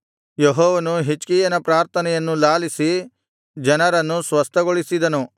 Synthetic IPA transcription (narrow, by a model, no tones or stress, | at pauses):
jeɦɔːʋɐnuɦit͡ʃkijɐnɐpɾaːɾt̪ʰɐnɛjɐnːulaːlisi | d͡ʒɐnɐɾɐnːusʋɐst̪ʰɐɡoɭisid̪ɐnu